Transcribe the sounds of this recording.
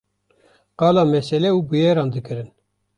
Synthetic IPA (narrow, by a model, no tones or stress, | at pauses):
qɑːlɑːmɛsɛlɛuːbɨjeːɾɑːnd̪ɨkɨɾɨn